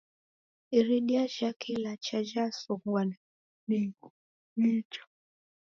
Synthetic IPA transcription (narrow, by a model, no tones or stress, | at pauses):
iɾiɗiaʒakʰilat͡ʃaʒasɔkwana | miɡu | nit͡ʃɔ̥